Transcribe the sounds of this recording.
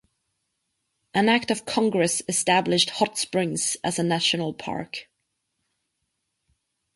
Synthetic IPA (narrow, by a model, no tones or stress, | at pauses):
ʔə̃nak̚tʌv̥kʰɒ̃ŋɡɹɛsɨstablɪʃt̚hɒtspɹɪ̃ŋz̥ʔəzənaʃənəl̩ˠpʰɑ̰ɹk